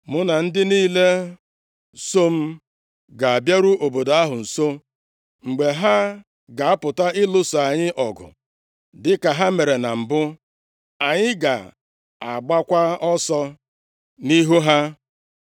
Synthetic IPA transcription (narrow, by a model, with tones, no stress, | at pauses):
mʊ˦na˨n̩˦dɪ˦niː˦le˦ | so˦m̩˦ | ɡa˨a˨bja˦ɾu˦ʔo˨bo˨da˨a˦ɦʊ˨n̩˨so˦ | ŋ͡m̩˨ɡ͡be˨ɦa˦ | ɡa˨a˦pʊ˨ta˦ɪ˦lʊ˦sa˨ɲɪ˦ʔɔ˨ɡʊ̰˨ | dɪ˦ka˨ɦa˦me˨ɾe˨na˨m̩˨bʊ˦ | a˨ɲɪ˦ɡa̰˨ | a̰˨ɡ͡ba˦kʷa˦ɔ˦sɔ˦ | ni˦ɦu˦ɦa˦